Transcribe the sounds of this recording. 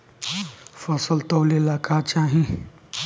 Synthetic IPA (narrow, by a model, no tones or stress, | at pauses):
fəsəlt̪əwlelakat͡ʃaːɦĩ